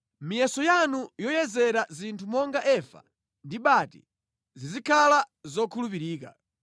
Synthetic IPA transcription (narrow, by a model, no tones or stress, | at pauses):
mijɛsɔjanujɔjɛzɛɾazintʰumɔŋɡaʔɛfa̰ | ndiɓatḭ | zizikʰala | zɔkʰulupiɾiːka̰